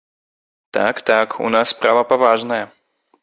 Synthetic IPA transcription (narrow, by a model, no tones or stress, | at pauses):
t̪a̰kt̪akṵnaspɾavɐpavaʐnɐjɛ